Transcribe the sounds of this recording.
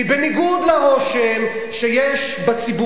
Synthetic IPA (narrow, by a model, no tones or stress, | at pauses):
ibeniɡud̪laʁo̞ʃem | ʃejɛʃ | bat͡sibu